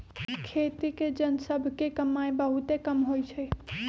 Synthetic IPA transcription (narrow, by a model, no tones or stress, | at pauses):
kʰeːt̪iked͡ʒənsəbʱkekəmːaebəɦut̪ekəmɦoit͡ʃʰə